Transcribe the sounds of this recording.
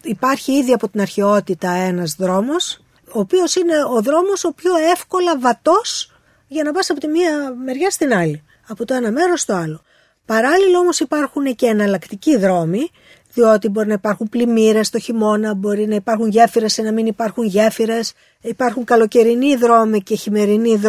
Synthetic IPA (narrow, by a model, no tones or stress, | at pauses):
ipɐɾçiiðiɐpo̞t̪inɐɾçe̞o̞t̪it̪ɐe̞nɐzðɾo̞mo̞s | oːpio̞sine̞o̞ðɾo̞mo̞so̞pço̞e̞fko̞lɐvɐt̪o̞s | ʝɐnɐpɐsɐpo̞t̪imiɐme̞ɾʝɐst̪inɐli | ɐpo̞t̪o̞e̞nɐme̞ɾo̞st̪o̞ɐlo̞ | pɐɾɐlilɐo̞mo̞sipɐɾxunece̞ːnɐlɐkt̪iciðɾo̞mi | ðio̞t̪ibo̞ɾinɐipɐɾxumplimiɾe̞st̪o̞çimo̞nɐbo̞ɾinɐipɐɾxuɲʝe̞fiɾe̞senɐminipɐɾxunʝe̞fiɾe̞s | ipɐɾxuŋkɐlo̞ce̞ɾiniðɾo̞mice̞çime̞ɾinið